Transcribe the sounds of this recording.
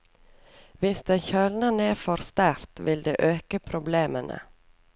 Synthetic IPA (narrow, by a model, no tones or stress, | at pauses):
ʋɪsd̪ɛçœlnəneːfɔɾst̪æɾt̪ʋɪld̪ḛːʔøːkəpʰɾʊbleːmənʔə̰